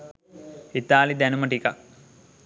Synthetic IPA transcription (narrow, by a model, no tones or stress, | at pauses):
it̪aːlid̪ɛnumɐʈika̰k